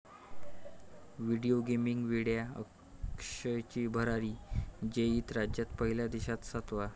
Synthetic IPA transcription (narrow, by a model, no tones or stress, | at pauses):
ʋiɽioɡemiŋɡʋiɽjaə̰ | kɕət͡ɕiːbʱəɾaɾiːd͡ʑeiːt̪ɾad͡ʑjat̪pəɦiljad̪iɕat̪sət̪ʋa